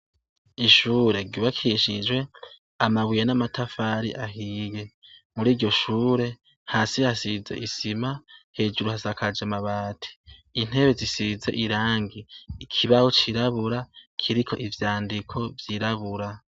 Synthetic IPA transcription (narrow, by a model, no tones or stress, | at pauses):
iʃuːɾe̞ɡuβakʰiʃid͡ʒwe̞ | amaβwijenamatʰafaɾḭʔaɦiːje̞muɾiːɾɟo̞ʃuːɾe̞ | haːsihasize̞̰ʔisimahe̞ːd͡ʒuɾuhasakʰad͡ʒamaβaːtʰi̥in̥he̞βe̞zisize̞̰ʔiɾaːŋɡiːkʰiβahot͡ʃiɾaβuɾakʰiɾikʰo̞̰ʔivjaːndikʰo̞vjiɾaβuɾa